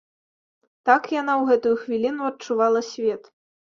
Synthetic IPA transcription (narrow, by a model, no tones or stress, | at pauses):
t̪akjanawɣɛt̪ujuxvʲilʲinuɐt̚t͡ʂuvalˠɐsʲvʲɛt̪